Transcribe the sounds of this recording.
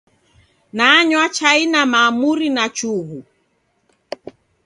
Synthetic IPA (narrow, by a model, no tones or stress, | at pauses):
naɲwat͡ʃainamaːmuɾinat͡ʃuɣu